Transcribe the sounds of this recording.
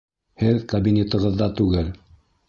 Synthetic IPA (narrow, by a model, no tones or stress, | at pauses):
hɘðkɐbʲinʲet̪ɤ̆ʁɤ̆ðːɑt̪ʉɡɘl